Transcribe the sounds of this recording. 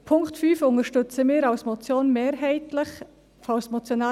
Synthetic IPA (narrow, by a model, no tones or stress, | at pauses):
pʰʊŋktfyːfʊŋəʃtʏt͡səmɪːɾawsmɔt͡sjoːnmeːɾɦɛɪtləχ | fawsmɔt͡sjonɑː